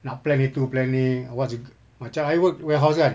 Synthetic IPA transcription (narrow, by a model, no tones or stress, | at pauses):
naʔplɛnit̪uplɛnːiawasɡ | mat͡ʃaajwəkwɛɦaws̬ɡan